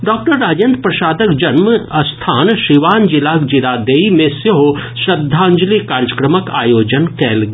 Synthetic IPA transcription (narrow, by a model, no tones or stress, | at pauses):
ɖɔːk̚ʈəɾːaːd͡ʒjə̃nt̪pɾɐʃaːd̪əkd͡ʒɐnməɐst̪ʰaːnʃiʋaːnd͡ʒɪlaːkd͡ʒilaːd̪eːimẽsjɐɦo | ʃɾɐd̪ʱːãːɲd͡ʒlikaːɾjəkɾəməka̰ːjoːd͡ʒənkɛːlɡ